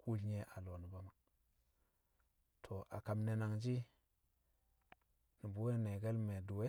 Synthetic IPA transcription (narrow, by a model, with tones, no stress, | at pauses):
ku˦lɲe˦ʔa˨lo˨ni˨ba˦ma˨ | tʰo˨ʔa̰˨ka˨mne˨na˨ŋd͡ʒi˦ | ni˨bu˦we˦ne˨ɡe˦lme˨du˨we˦